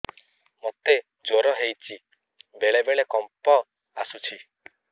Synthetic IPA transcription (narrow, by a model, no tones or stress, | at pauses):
mot̪e | d͡ʒoɾɔɦejt͡ʃʰi | beɭebeɭekɔmpɔ | asut͡ʃʰi